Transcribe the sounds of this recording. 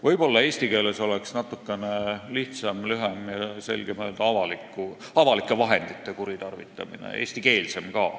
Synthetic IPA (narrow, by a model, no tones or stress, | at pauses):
vɤjbo̞lːɑe̞ːst̪ike̞ːle̞so̞leksnɑt̪ːˑukːˑe̞neliht̪sɑmlyɦemjɑse̞̰lɡ̥emøːld̪̥ɑɑvɑlikːˑuɑvɑlikˑːe̞vɑɦe̞nd̪̥it̪ːˑekuɾit̪ɑrvit̪ːˑɑ̰minḛeːsʲt̪ike̞ːlse̞mkɑ̰ː